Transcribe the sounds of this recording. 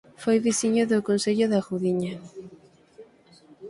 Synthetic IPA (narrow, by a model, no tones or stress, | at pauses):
fojβisiɲoðokonseʎoðaɣuðiɲa